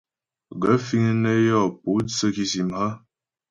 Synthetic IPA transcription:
ɡə˨˦fi˦ŋ˦ne˦jɔ˦˨pu˨˦t͡sə˦ki˨si˨mha˦

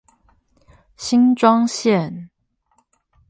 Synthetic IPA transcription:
ɕi˦nʈ͡ʂwɑ˦ŋɕjɛ˥˨n

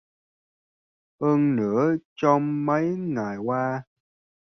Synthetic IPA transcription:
həː˧nnɨ̰˧˥ət͡ɕɔ˧wŋ͡mmə˨˦jŋa˨˩jkwaː˧

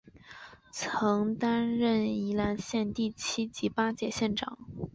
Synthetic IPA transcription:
t͡sʰɤ˧˥ŋt̪a˥nɻə˥˩ni˧˥la˧˥nɕjɛ˥˧nt̪i˥˩t͡ɕʰi˥t͡ɕi˧˥pa˥t͡ɕjɛ˥˩ɕjɛ˥˩nʈ͡ʂɑ̰˨˩˦ŋ

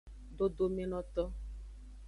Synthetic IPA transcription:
do˦do˦me˦nɔ˦t̪ɔ˦

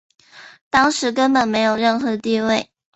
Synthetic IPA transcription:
t̪ɑ˥ŋʂɻ̩˧˥k̬ə˥npə˨˩nme˧˥ɪjo˨˩ʊɻə˥˩nxɤ˧˥t̪i˥˧we˥˩ɪ

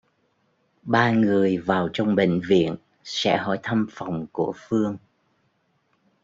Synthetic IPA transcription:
ɓaː˧ŋɨ˨˩əjvaː˨˩wt͡ɕɔ˧wŋ͡mɓḛ˧˨ŋ̟vḭ˧˨ən | sɛ̰˧˥ɦɔ̰˧˩jt̪ʰa˧mfa˨˩wŋ͡mku˧˩əfɨ˧əŋ

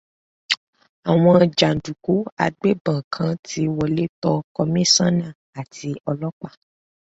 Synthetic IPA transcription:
a˨w̃ɔ̃˧˨d͡ʒa˨n̩˨du˨ko˨˦a̰˧ɡ͡be˦bã˨kʰã˧ti˧˦wɔ˧le˦tɔ˧kɔ˧mĩ˦sã˦nã˦˨ | a˨ti˧ɔ˧lɔ˦k͡pa˦˨

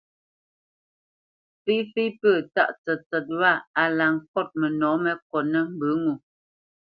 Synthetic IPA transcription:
fi˦fi˦pə˦˨ta̰˦˨ʔt͡sɛ˨t͡sɛ˨t̚wa˦˨a˨la˨ŋk̚ɔ˦˨t̚mə˨nɔ˨˦mɛ˦k̚ɔ˨nə˦m̩˦bə˨˦ŋu˨

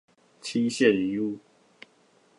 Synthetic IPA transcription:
t͡ɕʰi˦ɕjɛ˥˨ni˨˦u˥˨˦

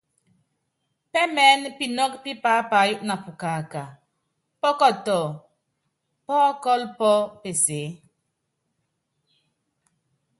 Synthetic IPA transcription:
pɛ˦mɛ˨˦npi˦nɔ˦kpi˦paː˨˦pa˨˦˨ju˦ʔna˨fu˨ka˨ka˨ | pɔ˦kɔ˦tɔ˨ | pɔ˦kɔ˦lpɔ˦pe˨se˨˦

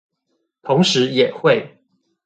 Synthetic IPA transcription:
t̪ʰʊ˧˥ŋʂɻ̩˧˥jɛ˨˩xwe˥˩ɪ

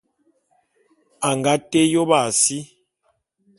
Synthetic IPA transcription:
a˨ŋɡa˦te˦jo˦ba˦˨si˦

